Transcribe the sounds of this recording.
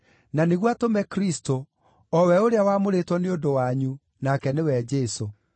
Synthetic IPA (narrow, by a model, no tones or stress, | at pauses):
naneɣwatomɛkɾisto | ɔwɛoɾeawamoɾetwɔneodowaɲu | nakɛnewɛd͡ʒɛso